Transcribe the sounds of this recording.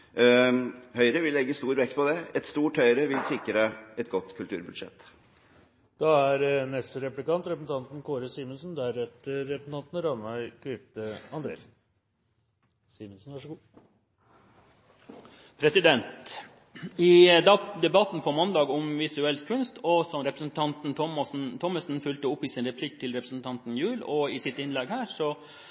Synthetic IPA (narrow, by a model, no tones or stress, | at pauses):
hœʏɾəʋɪlːɛɡːəst̪uːɾʋɛkt̪̚pʰɔd̪ɛɛt̪st̪uːʈhœʏɾəʋɪlsɪkɾəɛt̪̚ɡɔt̪ːkʰʉlt̪ʰʉ̰ːɾbʉd̪ʂɛ̰t̪ː | d̪̥ɑæɾnɛst̪əɾɛplɪkɑnt̪ɾɛpəsn̩t̪ʰɑnt̪n̩kʰoːɾəsiːmənsnd̪æɾɛt̪əɾɛpəsn̩ʰɑnt̪nɾɑnʋæɪkʰɾɪpt̪əɑnd̪ɾḛːs | siːmənsn̩ʋɑʂəɡuː | pʰɾɛsɪd̪ɛnt̪ | ɪd̪ɑd̪ɛbɑt̪n̩fʰɔmɑnd̪ɑːɡɔmʋɪsʉɛlt̪kʰʉnst̪ɔsɔmɾɛpɾəsn̩t̪ʰɑnt̪n̩ʰɔmn̩t̪ʰɔməsn̩fʉlt̪əʊpːɪsɪnɾɛpʰlɪk̚t̪ʰɪlɾɛpɾəsn̩t̪ʰɑnt̪n̩jʉːlɔɪsɪt̪ɪnlɛɡhæːɾʂɔ